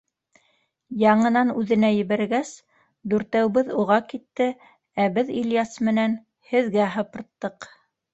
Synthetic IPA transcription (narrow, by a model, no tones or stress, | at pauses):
jɑɴɤ̆nɑnʉðɘ̆næjɘ̆βæɾɡæs | d̪ʉɾt̪æwbɘðuʁɑkit̪ːɘ | æbɘðiljɑsmɘ̆næn | hɘ̆ðɡæɦɤ̆pɤ̆ɾt̪ːɤq